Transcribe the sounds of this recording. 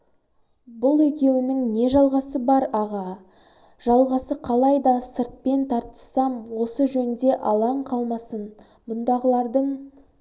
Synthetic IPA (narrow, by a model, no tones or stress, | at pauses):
bʊlˠɵkʲe̞wɪnɪŋne̞ʒɑlˠʁɑsəbɑɾɑʁɑ | ʒ̥ɑlˠʁɑsəqʰɑlˠɑjd̪ɑsəɾt̪̚pe̞nt̪ʰɑɾt̪ə̥sɑmwo̞səʒɵnnd̪e̞ʔɑlˠɑɴqʰɑlˠmɑsən | bʊnd̪ɑʁəlˠɑɾd̪əɴ